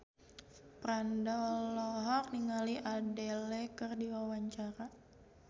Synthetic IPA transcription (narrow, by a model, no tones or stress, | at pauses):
pɾandaɔlɔɦɔrniŋaliʔadɛlɛkɨrdiwawaɲt͡ʃaɾa